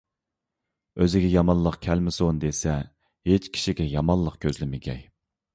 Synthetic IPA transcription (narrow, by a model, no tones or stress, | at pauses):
øzɪɡʲɛjɑmɑnlˠəqkʲʰɛlmɪsond̪esɛ | het͡ʃkʲʰi̥ʃiɡʲɛjɑmɑnlˠəqkʲʰøzlɪmɪɡʲɛ̰j